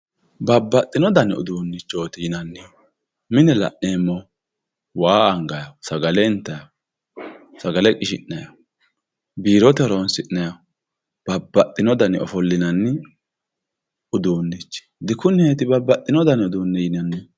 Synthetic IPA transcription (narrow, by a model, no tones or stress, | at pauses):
bɐbːɐt̪ʼːɪnɔd̪ɐnɪʊ̰d̪uːnːɪt͡ʃːoːt̪iːnɐnːɪ | mɪnɛlɐ̰ʔneːmːɔ | waːɐŋɡɐjɐsɐɡɐlɛɪnt̪ːɐjɐ | sɐɡɐlɛkʼɪʃɪnːɐjɐ | biːɾɔt̪ɛɾonsɪʔnɐjɐ | b̥ɐbːɐt̪ʼːɪnɔd̪ɐnɪɔ̰fɔlːɪnɐnːɪ | ʊd̪uːnːɪt͡ʃːd̪ɪkʊnet̪ɪbɐbːɐt̪ʼːɪnɔd̪ɐnʊd̪uːnːɛjɪnɐnːɪ